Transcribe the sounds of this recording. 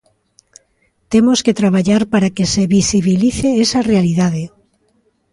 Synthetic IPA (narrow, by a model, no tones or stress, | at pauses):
t̪emosket̪ɾaβaʎaɾpaɾakeseβisiβiliθeesarealiðaðe